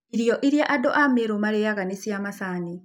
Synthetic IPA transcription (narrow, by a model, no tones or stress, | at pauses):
iɾijɔʔiɾijaʔadoʔameɾomaɾejaɣanesjamasani